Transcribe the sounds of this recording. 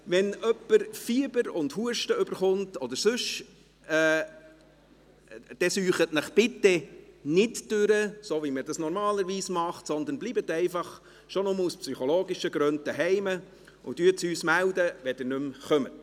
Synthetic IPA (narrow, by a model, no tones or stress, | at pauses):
ʋɛnœpːəɾfiəbəɾʊndhuəɾʃtəʏbəɾχʊntɔd̪əɾsʉʃ | ɛː | d̥ɛsyːχətnəχb̥ɪtːɛnɪtd̥øɾəsoʋimədɑsnɔɾmɑːləɾʋiːsmɑχtsɔnd̪ənblibətːɛɪfɑχ | ʃonʊmuspsyχoloːɡiʃəɡɾœnd̚d̥ɛɦɛɪmə | ʊtyətsyːsmæld̪əʋɛd̥ənʏmχœmə